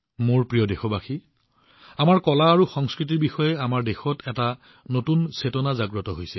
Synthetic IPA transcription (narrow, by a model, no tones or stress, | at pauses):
moɹpɹijɔdexɔbaxi | amaɹkɔlaːɹuxɔŋskɹit̬iɹbixɔjɛamaɹdexɔtʰɛta | notunsetɔnazaɡɹɔtɔɦojsɛ